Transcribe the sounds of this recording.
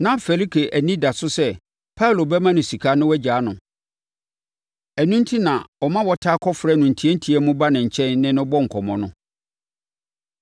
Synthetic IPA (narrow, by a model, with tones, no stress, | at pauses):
nã˨fɛ˨li˦kʰe˨ʔæ˨nĩ˦da˨sʊ˦sɛ˦˨ | pʰa˦˨lo˨bɛ˦mã˦nɪ̃˨si˨kʰa˦nʊ̃˦wɛ˦d͡ʑaː˨˦nʊ̃˨ | æ˨nũ˦n˦tʰi˦nã˨wɔ˨mã˦wɔ˨˦tʰa˦kʰɔ˦fɾɛ˦˨nʊ̃˨n̩˨tʰi˦ɛ˦n̩˦tʰi˦ɛ˦mũ˦ba˦nɪ̃˨ɲ̩˨t͡ɕʰɛ̃˦nːɪ̃˦nʊ̃˦bɔ˦ŋ̩˨kʰɔ˨mɔ̃˨nʊ̃˦